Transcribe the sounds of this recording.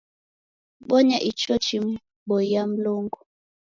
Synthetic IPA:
ɓɔɲaʔit͡ʃɔt͡ʃim | ɓɔijam̩loŋɡɔ

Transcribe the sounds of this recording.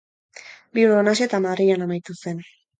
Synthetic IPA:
biuɾonaset̪amaðrianamajt̪use̞n

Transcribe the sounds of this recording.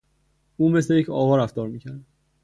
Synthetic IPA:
uːme̞slejecʰɒːvɒːɾæft̪ɒːɾmiːcʰæɾd̪

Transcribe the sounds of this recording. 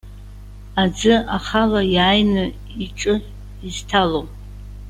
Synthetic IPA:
ad͡zɨaχalajaːjnɨ | iʈ͡ʂʼɨ | iztʰalow

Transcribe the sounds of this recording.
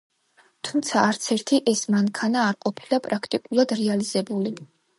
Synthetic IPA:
t̪ʰumt̪sʰaːɾt̪sʰɛɾt̪ʰiʔɛsmaŋkʰanaːɾqʼɔpʰilapʼɾakʰt̪ʼikʼulˠad̪ɾɛalizɛbuli

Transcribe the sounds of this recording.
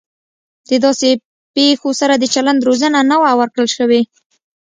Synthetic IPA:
d̪əd̪ɑse | pexosaɾad̪ət͡ʃaland̪ɾozənanawawəɾkɽəlʃəwe

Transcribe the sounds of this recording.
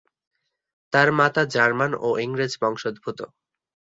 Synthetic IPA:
t̪aɾmat̪ad͡ʑaɾmano̰ʔiŋɾed͡ʑbɔŋʃod̪bʱut̪o

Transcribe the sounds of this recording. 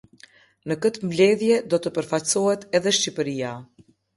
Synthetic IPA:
nəkət̪əmvlɛðjɛd̪ɔt̪əpəɾfacsɔhɛt̪ɛðɛʃcipəɾia

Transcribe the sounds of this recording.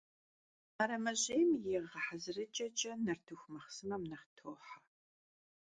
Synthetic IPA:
ɐɾɐmɐʑeːmjɪʁɐħazɨrɨt͡ʃʼɐt͡ʃʼɐnɐrtʰuxʷmɐχsɨmɐmnɐχtʰoːħḁ

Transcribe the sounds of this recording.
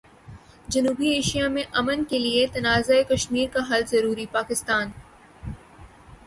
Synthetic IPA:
d͡ʒɐnuːbieːʃijamẽʔɐmənkeliet̪ɐnaːzaekɐʃmiːɾkaɦɐlzɐɾuːɾipaːkɪst̪aːn

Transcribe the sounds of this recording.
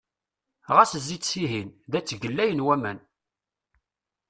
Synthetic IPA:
ʁæsəzːisiɦinðæt͡sːɡəlːæjənwæmæn

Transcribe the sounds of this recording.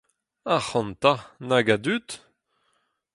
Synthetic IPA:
ahɑ̃nt̪anaɡad̪yt̪

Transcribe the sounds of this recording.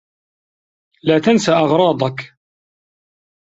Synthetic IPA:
laːt̪ansaʔɑʁɾˤɑːd̪ˤɑk

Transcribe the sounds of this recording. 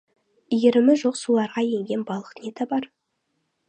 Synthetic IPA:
ijeɾɪmɪʒo̞qsulˠɑɾʁɑjeŋɡʲe̞nbɑlˠə̥q̪nʲet̪abɑɾ

